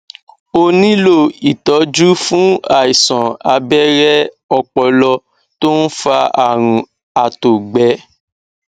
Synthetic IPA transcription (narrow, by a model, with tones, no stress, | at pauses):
o˧nĩ˦lo˦˨i˨tɔ˨˦d͡ʒu˦fũ˦a˨i˨sɔ̃˨a˧bɛ˦ɾɛ˦ | ɔ˧k͡pɔ˧lɔ˧ | to˦n̩˦fa˧a˨ɾ̃ũ˨˦ | a˨to˨ɡ͡bɛ˨˦